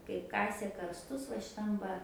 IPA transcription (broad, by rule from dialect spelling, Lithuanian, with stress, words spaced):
kɐɪp ˈkɑːsʲeː kɐrsˈtʊs ʋɐ ʃʲɪˈtɐm ʋɐ